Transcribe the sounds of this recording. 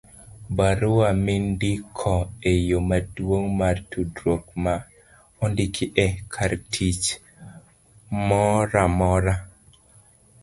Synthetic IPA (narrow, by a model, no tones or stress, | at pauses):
baɾʊwamɪndɪkʰɔejomadwoŋmartudɾokma | ɔndɪkʰɪʔɛkʰaɾtʰit͡ʃ | mɔɾamɔɾa